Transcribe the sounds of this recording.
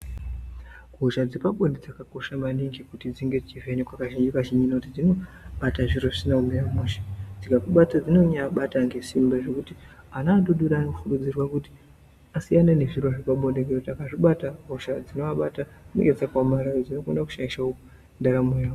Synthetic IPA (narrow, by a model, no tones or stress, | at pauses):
ɡʱoʃad͡zipaɓoɗed͡zakako̞ʃamaniŋɡikutid͡ziŋɡe̞d͡zit͡ʃivenekwakaʒiɲd͡ʒikaʒiɲd͡ʒinautid͡zino̞ | ɓataʐiɾo̞ʐisinaumeramuʃḁd͡zikakuɓat͡sad͡zino̞ɲaɓataŋɡe̞simbaʐe̞kuti | anaːɗoɗuɾaːnoukurud͡zirwakuti̥ | asianene̞ʐirwoʐepaɓo̞ɗekeotiakaʐiɓataɡʱoʃad͡zino̞aɓatameɡed͡zakwamaɾaod͡zino̞kondaku̥ʃaiʃaou | ndaɾamejao